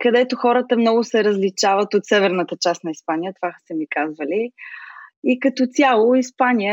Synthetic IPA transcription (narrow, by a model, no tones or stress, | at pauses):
kɐd̪ɛt̪oxɔɾət̪əmnɔɡʊsɛɾəzlit͡ʃavət̪ot̪sɛvɛɾnət̪ət͡ʃast̪nɐispanijət̪ovasɛmikazvəli | ikɐt̪ɔt̪ʲalˠoispanijə